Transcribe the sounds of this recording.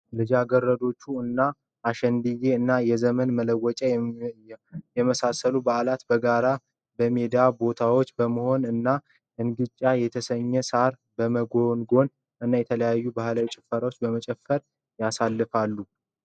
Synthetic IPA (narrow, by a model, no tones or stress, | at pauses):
lɨd͡ʒaɡərːəd̪o̞t͡ʃːuɨnːaː | ʃɛnd̪ɨjeɨnːajɛzəmənmələwɔt͡ʃʼɛ | jɛməsasəlubaʔlat̪bəɡaɾa | bəme̞d̪abo̞t̪ʰawot͡ʃːbəməho̞nɨnːa | ʔɨnɡɨt͡ʃʼːajɛt̪ʰəsəɲːɛsaɾ | bəməɡo̞nɡo̞n | ʔɨnːajɛt̪ʰələjajːubahlawit͡ʃʼɪ̥fəɾawot͡ʃːbəmət͡ʃʼɛfːəɾ | jasalːɨfalːu